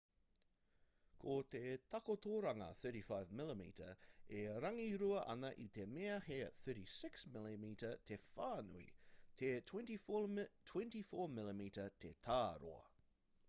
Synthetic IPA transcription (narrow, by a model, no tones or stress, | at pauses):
kʰot̪et̪ʰɐkot̪ʰoɾɐŋɐ̰θɜ˞ɾifaɪvmɪləmḭːtə̰eɾɐŋiɾuɐʔɐ̰nɐʔit̪emeɐheɐθɜɾisɪksmɪlimitət̪ʰefaːnṵḭt̪ʰet̪ʰwɛ̃ntit̪ʰwɛ̃ntifoːmɪlimitət̪ʰet̪ʰaːɾo̰ɐ̰